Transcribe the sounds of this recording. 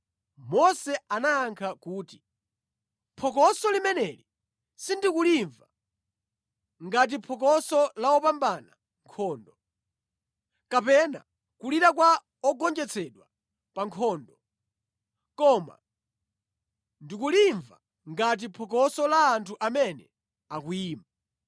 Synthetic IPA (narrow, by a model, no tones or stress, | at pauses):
mɔsɛanaːŋkʰakuːti̥ | pʰɔk̬ɔsɔlimɛnɛli | sindikuliɱva | ŋɡat̬ipʰɔk̬ɔsɔlaɔpambana̰ | ŋkʰɔːndɔ | kapɛna̰ | kuliɾak̬wa | ɔɡɔnd͡ʒɛt͡sʰɛɗwa | paŋkʰɔːndɔ | kɔma̰ | ndikuliɱva̰ | ŋɡat̬ipʰɔk̬ɔsɔlaːntʰuʔamɛnɛ̰ | akuiːma